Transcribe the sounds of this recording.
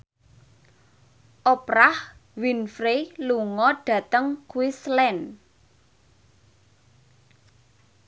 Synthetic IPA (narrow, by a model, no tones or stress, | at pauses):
ʔɔpɾahwinfɾeluŋɔɖ̥ä̤t̪əŋkuwislɛn